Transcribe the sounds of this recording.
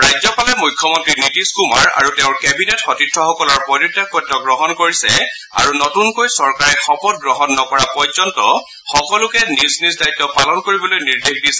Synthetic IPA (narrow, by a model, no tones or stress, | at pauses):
ɹajzɔpalɛmujkʰːjɔmɔntɹinitiskuma̰ɹa̰ɹuteʊ̃ɹkɛbinɛtxɔtitʰːɔxɔkɔlɔɹpɔdɔtːekːɔjtːɔɡɹɔɦɔnkoɹisɛ̰ | a̰ɹunɔtunkojsɔɹkaɹɛxɔpɔt̚ɡɹɔɦɔnːɔkɔɹapɔjzɔntɔ | xɔkɔlʊkɛnisnisdajtːɔpalɔnkoɹibɔlojniɹdexdisɛ